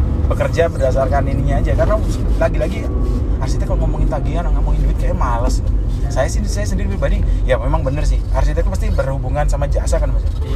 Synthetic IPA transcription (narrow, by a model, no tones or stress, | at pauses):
bəkərd͡ʒabərdasarkaniniɲad͡ʒakaraslaɡilaɡi | aɾsit̪akalomamuŋɪnt̪aɡiŋanaŋaʔmuŋɪndiwɪt̪̚kajamaləsnsajasisajasəndiɾipəɾibadijamemaŋbənərsɪha̰ɾsit̪ak̪upast̪ibərhubuŋansamad͡ʒasakanmasa